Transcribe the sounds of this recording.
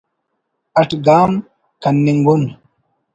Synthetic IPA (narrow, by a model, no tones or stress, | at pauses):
ɐʈɡaːm | kɐnːiŋɡun